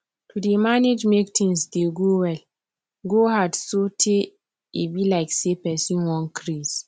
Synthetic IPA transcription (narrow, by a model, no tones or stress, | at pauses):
tʰudemaned͡ʒmektʰɪ̃nsdeɡowɛl | ɡohadsotʰe | ebilaɪksepɛsĩnwɔ̃nkʰɾis